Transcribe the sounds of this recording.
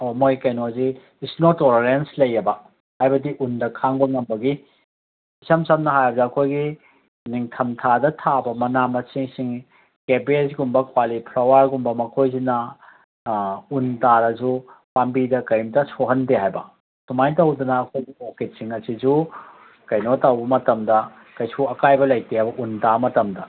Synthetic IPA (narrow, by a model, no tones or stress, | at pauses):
omojkejnozi | isnotoleɾenslɐjːɐbɐ | hajbɐdiʔundɐkʰaŋbɐŋɐmbɐɡi | isɐmsɐmnɐɦajɐbɐziɐkʰojɡi | niŋtʰɐmtʰadɐtʰabɐmɐnamɐsiŋsiŋ | kepesɡumbɐkwalipʰlawaɾɡumbɐmɐkʰojzinɐ | untaɾɐzupambidɐkɐjmtɐsoɦɐndeɦajbɐ | tumajtɐwd̪unɐːkʰojɡioket̚siŋɐsid͡ʒu | kɐjnotawbɐmɐtɐmdɐ | kɐjsuɐkajbɐlɐjtehajbɐʔuntamɐtɐmdɐ